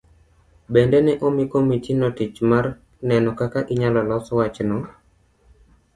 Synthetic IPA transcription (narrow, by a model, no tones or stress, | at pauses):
bendɛnɛʔomikomitinɔtit͡ʃmar | nɛnɔkakaʔiɲalɔlɔswat͡ʃnɔ